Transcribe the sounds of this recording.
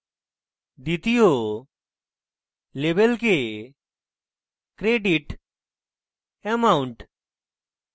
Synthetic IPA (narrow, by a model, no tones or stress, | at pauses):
d̪it̪ɪjo | leːbelke | kɾeːɖiʈ | emaʊɳʈ